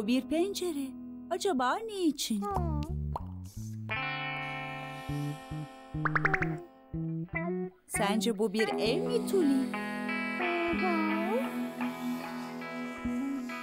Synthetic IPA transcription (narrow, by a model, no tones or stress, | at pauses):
biɾpʰɛnd͡ʒeɾɛ | ad͡ʒabaːnejit͡ʃʰin | sænd͡ʒɛbubiɾɛvmit̪ʰulʲi | d̪a